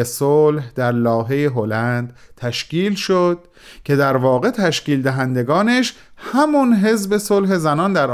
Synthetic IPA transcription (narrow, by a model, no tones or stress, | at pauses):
esolhd̪̥æɾlɒːɦe̞jeɦolænd̪ | t̪ʰæʃciːlʃod̪̥̚ | cʰe̞d̪æɾvɒːɣe̞t̪ʰæʃciːld̪æɦænd̪e̞ɡɒːneʃ | hæmunɦe̞zbe̞solɦe̞zænɒːnd̪æɾ